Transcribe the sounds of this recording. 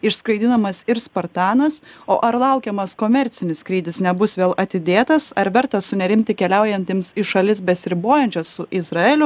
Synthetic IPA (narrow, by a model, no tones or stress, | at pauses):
ɪʃskɾɐɪd̪ʲɪnɐmɐsɪɾspɐɾt̪ɑːnɐsoːʔɐɾlˠɐʊkʲɛmɐskoːmʲɛɾʲt̪sʲɪnʲɪsskɾʲiːd̪ʲɪsnʲɛbʊsʋʲeːlˠɐt̪ʲɪd̪ʲeːt̪ɐsɐɾʋʲɛɾt̪ɐsʊnʲɛɾʲɪmʲt̪ʲɪkʲɛlʲɛʊjɛnʲt̪ʲɪmsɪʃɐlʲɪsbʲɛsʲɾʲɪboːjɛnʲt͡ʃʲɛsːʊʔɪzɾɐeːlʲʊ